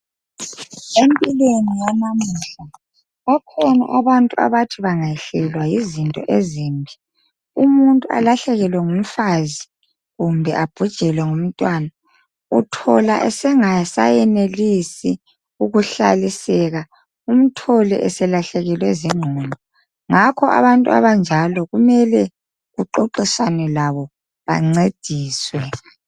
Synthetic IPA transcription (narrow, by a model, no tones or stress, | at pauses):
empʼilwenijamamuɬa | βakʰɔna̰ʔaβantʼua̰βatʰiβaŋaɛɬɛlwajizintʼɔ̰ʔeziːmbʱi | umuntʼua̰laɬɛɣɛlwɛŋum̩fazi | ɣumbʱɛʔab̥ʱud̥ʒ̥ʱɛlwɛŋum̩tʼwaːna | utʰɔlaʔɛsɛŋasajɛnelisi | uɣuɬa̰lisɛɣa | um̩tʰɔlɛ̰ʔɛsɛlaɬɛɣɛlwɛziŋ͡ǃʱɔlɔ | ŋakʰɔʔa̰βantʼua̰βand͡ʒʱalɔɣumɛlɛ | ɣuǃoǃiswanɛlaβɔ | βa̰ŋ͡ǀed̥ʱiːswɛ